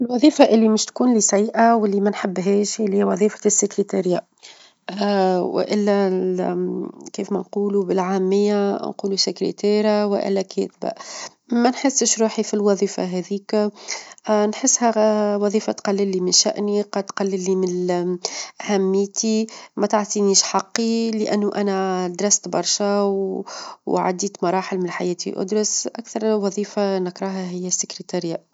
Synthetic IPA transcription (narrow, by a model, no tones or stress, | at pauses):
ʔɪlwɑðˤiːfaʔɪlːimɪʃt̪kuːnliːsæjːʔawɪlːimænħɪbːɦɛːʃlhɪjwɑðˤiːfḁsːɪkɾit̪aɾja | wɪ̰ʔɪlːæ | kiːfmænquːlubɪlʕaːmːɪjːanquːlusɪkɾḭt̪æːɾjawɪʔɪ̰lːækʰɛ̰ːt̪ba̰ | mænħɪsːɪʃɾuːħifilwɑðˤiːfa̰ɦɛðiːk | nħɪsːhæwɑðˤiːfat̪qɑlːɪlːimɪnʃæ̰ʔniqɑt̪qɑlːɪlːimɪn | ʔahæmːiːt̪imæt̪aʕt̪ˤiniːʃħɑqːiləʔæ̰nːuʔænæd̪ɾɑst̪bɑɾˤʃæwwʕa̰d̪iːt̪mɑɾˤɑːħɪlmɪnħajɛːt̪ḭʔʊ̰d̪ɾʊsʔækθɑɾˤwɑðˤiːfanɪkɾˤɑɦæɦɪjːæsːɪkɾit̪ɑɾja